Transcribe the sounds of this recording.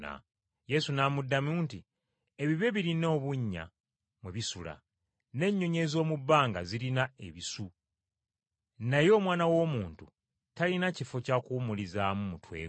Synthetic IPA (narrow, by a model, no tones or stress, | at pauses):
a̰ | je̞sunamudːamuːnti | e̞βiβe̞βiɾino̞ːβuɲːa̰ | mweβisula̰ | ne̞ɲːo̞ɲe̞zo̞ːmubːaːŋɡa̰zilinae̞̰βisu | najo̞ːmwaːnawo̞muːntu | talinacifo̞cakuːmulizamumutwe̞̰ː